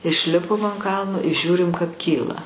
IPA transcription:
ɪʃʲˈlʲɪpoːm ɐn ˈkɐlˠnoː ɪ ˈʒʲuːrʲɪm kɐp ˈkʲiːlˠɐ

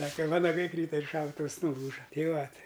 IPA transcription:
ˈsɑːkɐ ˈʋɑːnɐɡɐɪ ˈkrʲiːtɐ ɪr ˈʃɐʊtʊws nʊˈlˠuːʒɐ ˈtʲɛɪ ˈʋɐ ˈtɐɪ

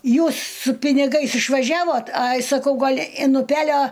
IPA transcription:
ˈjuːs sʊ pʲɪnʲɪˈɡɐɪs ɪʃʋɐˈʒʲæːʋoːt ˈɐɪ sɐˈkɐʊ ˈɡɐlˠ ɪn ʊˈpʲæːlʲoː

